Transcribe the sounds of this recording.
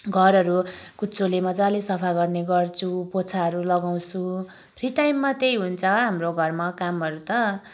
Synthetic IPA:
ɡʱʌɾʌɾukutt͡solemʌd͡zalesʌpʰaɡʌrneɡʌrt͡sʰupot͡sʰaɦʌɾulʌɡaw̃t͡sʰu | pʰriʈajmːat̪ejɦunt͡sʰʌɦamroɡʱʌrmakamɦʌɾut̪ʌ

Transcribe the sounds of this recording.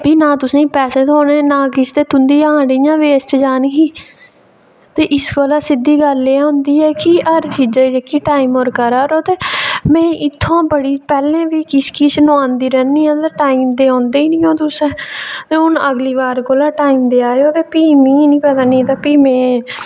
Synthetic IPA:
piːnãːt̪ʊsẽːĩːpɛːsẽːt̪oːnẽːnãːkɪst̪eːt̪ʊnd̪iːãːɽɪjãːʋeːst͡ʃd͡ʒaːniːɦiː | t̪eːʔɪskoːlaːsɪd̪ːiːɡəlːeːaːɦʊ̃nd̪iːɛːkɪəɾt͡ʃiːd͡ʒaːd͡ʒekːiːʈaːimoɾkəɾaːɾoːt̪eːmɛ̃ːʔɪt̪ʰːõːbəɽiːpɛːlẽːʋiːkɪskisnoãːnd̪iːɾɛːnːiːãːt̪eːʈaːiːmd̪eːãːnd̪eːiːnĩːõːt̪ʊsẽːt̪eːʊnəɡliːʋaːɾkoːlãːʈaːiːmd̪eːaːjoːt̪eːpiːmĩːnĩːpət̪aːnĩːt̪aːpiːmẽː

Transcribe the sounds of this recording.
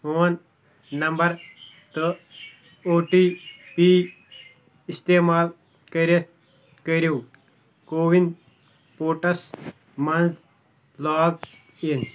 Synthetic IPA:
hoːn | nɐmbɐɾ | t̪ə | oːʈiːpiː | ist̪eːmaːl | kəɾe | kəɾew | koːʋin | poːʈɐs | mɐnz | laːɡ̚ | in

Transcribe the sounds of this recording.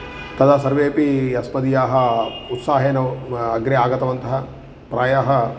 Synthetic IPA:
t̪ɐd̪asɐɾʋeːpiɐsmɐd̪ijaːɦɐ̆ut̪saːɦeːnɐɐɡɾeaːɡɐt̪ɐʋɐnt̪ɐɦɐ | pɾaːjaːɦɐ̆

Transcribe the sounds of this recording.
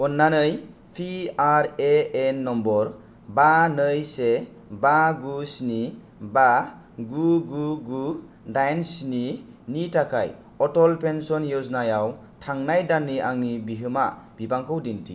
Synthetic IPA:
ɔnːanɯj | pʰiaɾeenːɔmbɔɾ | banɯjse | baɡusni | ba | ɡuɡuɡu | dajnsninitakʰaj | ɔtɔlpensɔnjɔznajaw | tʰaŋnajdanːiʔaŋnibiɦɯmab̥ibaŋkʰɯwdintḭ

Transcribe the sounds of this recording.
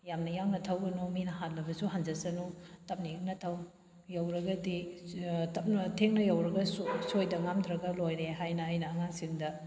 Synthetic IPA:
jamnɐjaŋnɐtʰɐwɡɐnominɐhatlːɐbɐsuɦanzɐsɐnotɐp̚nik̚nɐtʰɐw | jɐwɾɐɡɐdi | tɐp̚ntʰeŋnɐjawɾɐɡɐssojdɐŋamdɾɐɡɐlojɾeɦajnɐːjnɐːŋasiŋdɐ

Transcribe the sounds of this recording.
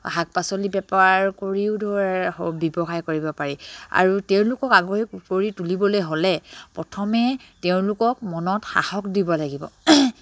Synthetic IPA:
ɦak̚pasɔlibɛpaɹkoɹiʊdʱɔɹɛbibɔxajkoɹibɔpaɹia̰ɹuteʊ̃lʊkɔkaɡɔɦɛkupoɹitulibɔlojɦolɛpɹɔtʰɔmɛteʊ̃nlʊkɔk̚mɔnɔtxa̰hɔkdibɔlaɡibɔ̰

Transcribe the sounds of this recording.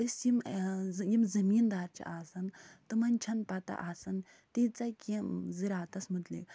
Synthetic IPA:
ɐsjimjimzɐmiːnd̪aːɾt͡ʃʰḭʔaːsɐnt̪ɨmɐnʲt͡ʃʰɐnpɐt̪ɐ̰ʔaːsɐn | t̪it͡sɐkʲimziɾaːt̪ɐsmut̪lḭk

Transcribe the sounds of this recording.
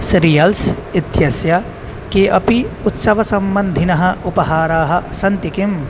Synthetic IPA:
sɾijɐlsit̪jɐsjɐ | keʔɐpiut̪sɐʋɐsɐ̃mbɐnd̪ʱinɐɦɐ̆upɐɦaːɾaːɦɐ̆sɐnt̪ikim

